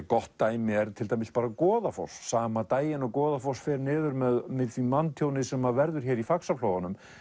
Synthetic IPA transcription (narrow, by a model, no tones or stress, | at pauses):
kɔht̪ːaːjmɪɛɾt̪ʰɪlt̪ajmɪs̚paːɾakɔːðafɔ̰wssaːmat̪aːjɪnɔkɔːðafɔwsfɛːɾnɪːðʏɾmɛðmɪðθimant̪ʰjownɪsɛmːavɛɾðʏɾ̥çɛːɾifaksafloːwanʏm